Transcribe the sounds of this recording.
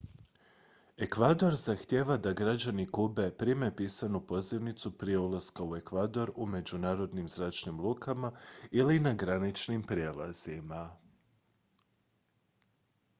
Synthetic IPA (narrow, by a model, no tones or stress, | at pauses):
e̞kʋad̪o̞ɾzaxt̪jeːʋad̪aɡɾad͡ʑanikube̞pɾime̞piːsanupo̞ziʋnit̪supɾije̞ulˠaskaue̞kʋad̪o̞ɾume̞d͡ʑunaːɾo̞d̪nimzɾaːt͡ʃnimlˠuːkʰamailinaɡɾanit͡ʃnimpɾjelˠa̰z̥ima